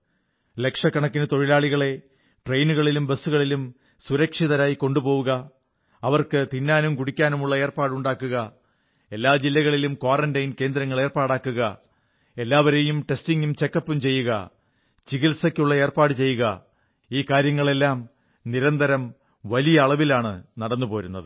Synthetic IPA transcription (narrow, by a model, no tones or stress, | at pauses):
le̞kʂɐkːɐɳɐkːinɨt̪o̞ɻilaːɭiɣɐɭe̞ | ʈrejnuɣɐɭilumbɐsuɣɐɭilum | suɾɐkʂiðɐɾaːjiko̞ɳɖupo̞ːʋuɣɐ | ɐʋɐrkɨt̪inːaːnumkuɽikʲːaːnumuɭːɐe̞ːrpaːɽuɳɖaːkːuɣɐ | e̞lːaːd͡ʑilːɐɣɐɭilumkwoːrɐndɐjnke̞ːnd̪ɾɐŋːɐɭe̞ːrpaːɽaːkːuɣɐ | e̞lːaːʋɐɾejumʈe̞stiŋɡumt͡ɕe̞kːɐpːumt͡ɕe̞jːuɣɐ̰ | t͡ɕiɣilsɐkʲːuɭːɐeːrpaːɽɨt͡ɕe̞jːuɣɐ | iːkaːɾjɐŋːɐɭe̞lːaːm | niɾɐnd̪ɐɾɐm | ʋɐlijɐːɭɐʋilaːɳɨnɐɽɐnːupo̞ːɾunːɐ̰ðɨ